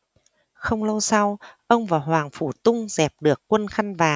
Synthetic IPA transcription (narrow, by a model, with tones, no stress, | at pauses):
xə˧wŋ͡mlə˧wsa˧wʔə˧wŋ͡mvaː˨˩wɦwaː˨˩ŋfṵ˧˩t̪ʊ˧ŋ͡mzɛ˨˩p̚ɗɨ˨˩əkːwə˧nxa˧jŋ̟vaː˨˩